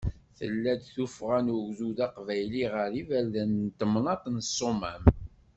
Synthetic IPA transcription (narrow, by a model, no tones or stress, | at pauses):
θə̰lːæd̪θufʁænʊɡzuðɑqvæjliʁəɾivælðænt̪əmnɑt̪ˤnəsˤːomæm